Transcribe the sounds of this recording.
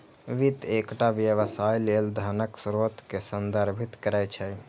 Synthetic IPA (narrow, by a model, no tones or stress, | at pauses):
ʋit̪ekʈaʋjəʋəsajleːld̪ʱanəksɾot̪kesənd̪əɾbʱit̪kəɾɛjt͡ʃʰə